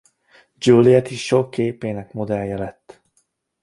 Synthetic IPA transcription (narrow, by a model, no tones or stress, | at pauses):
d͡ʒuːliɛt̪iʃokʰːeːpeːnɛkmod̪ɛljːɛlɛt̪ː